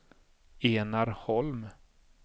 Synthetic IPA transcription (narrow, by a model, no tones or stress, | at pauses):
eːnaɾhɔlm